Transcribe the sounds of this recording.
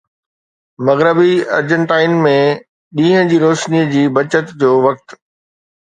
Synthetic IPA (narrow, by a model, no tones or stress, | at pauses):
mɐɣɾəbiɐ̰ɾd͡ʑə̃ɳʈaːɪnmẽ | ɗĩːɦə̃d͡ʑiːɾoːʃnid͡ʑiːbɐt͡ɕət̪d͡ʑoːʋɐk̚t̪